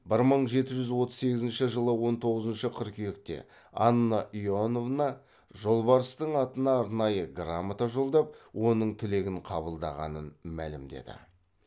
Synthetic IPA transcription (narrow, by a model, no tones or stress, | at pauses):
bɪɾməɴʒe̞t̪ɪʒʏzwo̞t̪əzse̞ɡʲɪzɪnʃɪʒəlˠəwo̞nt̪ʰo̞ʁəzənʃəqʰəɾkʲʰʏjek̚t̪e̞̰ | ɑ̰nːaʔiono̞vnɑ | ʒo̞lˠbɑɾəst̪əɴɑt̪ənɑːɾnɑjəɡramat̪aʒo̞lˠd̪ɑp̚wʔo̞nəɴt̪ʰɪle̞ɡʲɪɴqʰɑβəlˠd̪ɑʁɑ̰nənmæ̰lɪmd̪e̞̰d̪ɪ̰